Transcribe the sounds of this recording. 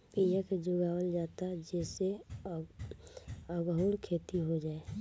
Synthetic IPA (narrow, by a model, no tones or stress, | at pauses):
pijəkd͡ʒʊɡaːwəld͡ʒaːt̪ad͡ʒɛse | əɡɦuɽkʰeːt̪iɦod͡ʒaːe